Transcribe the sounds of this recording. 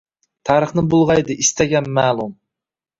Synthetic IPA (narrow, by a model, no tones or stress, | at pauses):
t̪ʰɑːɾəχnɪbulˠʁɑjd̪ɨʔist̪ʰɛɡʲɛnmæːlˠum